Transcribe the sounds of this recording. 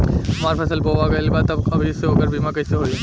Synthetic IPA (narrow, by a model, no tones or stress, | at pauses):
ɦɐmaːɾfʰɛsəlboʋaɡɐlbaːt̪ɐbɐbʱiɪseɦoːkəɾbiːmãkɐiseɦoːi